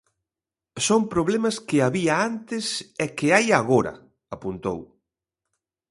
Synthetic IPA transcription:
sompɾoβlemɐskɪaβiaant̪ɪsɛkɪajaɣoɾɐ̰ | apunt̪o̰w

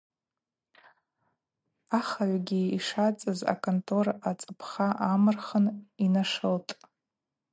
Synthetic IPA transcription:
aχaʕʷɡʲiiʂat͡sʼɨza̰kʰʼontʼʰorat͡sʼɨpʰχaʔamɨrχəninaʂɨltʼ

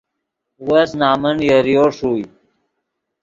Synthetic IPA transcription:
wəsnaːmənjəɾjoːʂuːj

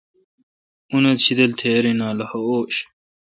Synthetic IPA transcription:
unɐt̪ɕʰid̪ɐlt̪ʰeɾinaːlɐhɐoːɕ

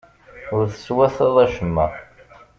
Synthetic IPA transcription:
ʊɾθə̥swæθəðˤæʃəmːæ̰

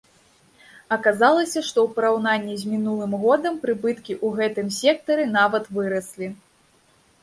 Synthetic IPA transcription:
ɐkazalˠɐsʲɐʂt̪ɔwpɐɾawnanʲːizʲmʲinulˠɨmɣɔd̪ɐmpɾɨbɨt̪kʲiʔuɣɛt̪ɨmsʲɛk̚t̪ɐɾɨn̪avɐt̪vɨɾɐsʲlʲi

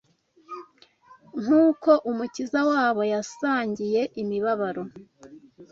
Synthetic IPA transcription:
ŋ̥uːko̞ʔumucizawaːβo̞jasaːɲɟije̞ʔimiβaβaɾo̞

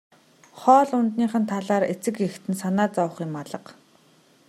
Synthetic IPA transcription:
χɔːɮʊnt̪niːχə̆nt̪ʰaɮaːɾet͡sɘ̆kext̪ɘ̆nsanaːt͡sawə̆χɪ̆maɮə̆q

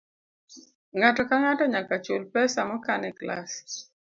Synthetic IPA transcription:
ŋatɔkaŋatɔɲakat͡ʃolpɛsamɔkanɛkla̰s

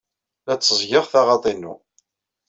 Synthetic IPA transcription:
læt͡sːəzˤʝɪʁθɑʁɑt̪ˤinːṵ

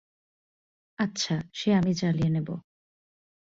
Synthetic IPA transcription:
atːɕʰaʃeamit͡ɕalienebo̰

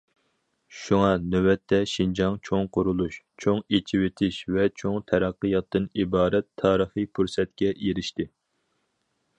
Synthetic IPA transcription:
ʃuŋɑnøwɛt̪ʰːɛʃind͡ʒɑŋt͡ʃʰoŋqʊɾulˠuʃ | t͡ʃʰoŋet͡ʃʰiwɪt̪ʰɪʃvɛt͡ʃʰoŋt̪ʰɛɾɑqːɨjɑt̪ːɨnibɑːɾɛt̪ʰːɑːɾəχɨjpʰuɾsɛt̪̚kʲɛjeɾɪʃt̪ɪ

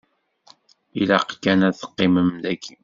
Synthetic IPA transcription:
ilæqkːænæθə̥qːɪməmd̪ækʰːi

